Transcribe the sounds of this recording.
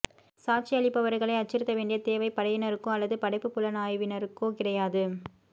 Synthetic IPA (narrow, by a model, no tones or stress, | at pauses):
saːʈ̚t͡ʃiɐɭɪpːɐʋɐɾɯɣɐɭɐɪɐt͡ʃːɪɾɯt̪ːɐʋeːɳɖɪjɐt̪eːʋɐɪpɐɽɐʋɪnɐɾɯkːõːɐlːɐðɯpɐɽɐɪpːɯpːʊlɐnaːjʋɪnɐɾɯkːõːkɪɽɐjaːðɯ